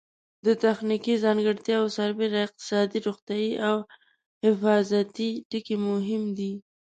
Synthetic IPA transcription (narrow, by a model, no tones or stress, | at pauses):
d̪ət̪axnikizɑŋɡəɾt̪jɑasaɾbeɾaɪq̚t̪ɪ̥sɑd̪iɾoxt̪jɑjiʔaw | hɪfɑzat̪iʈikemʊɦɪmd̪i